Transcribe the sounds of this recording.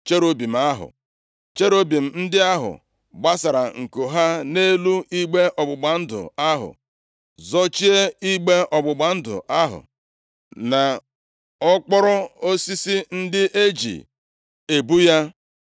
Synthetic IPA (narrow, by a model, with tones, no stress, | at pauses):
t͡ʃe˦ɾo˦bi˨m̩˨a˦ɦʊ̰˨ | t͡ʃe˦ɾo˦bi˨m̩˨n̩˦dɪ˦a˦ɦʊ̰˨ | ɡ͡ba˦sa˨ɾa˨ŋ̩˨ko˨ɦa˦ne˦lu˦i˦ɡ͡be˦ʔɔ˨ɡ͡bʊ˨ɡ͡ba˨n̩˦dʊ̰˨a˦ɦʊ̰˨ | zɔ˦t͡ʃi˦e˦i˦ɡ͡be˦ɔ˨ɡ͡bʊ˨ɡ͡ba˨n̩˦dʊ̰˨ʔa˦ɦʊ̰˨ | na˨ | ɔ˦k͡pɔ˦ɾɔ˦o˦si˦si˦n̩˦dɪ˦ʔe˦d͡ʒḭ˨ | e˨bu˦ja˦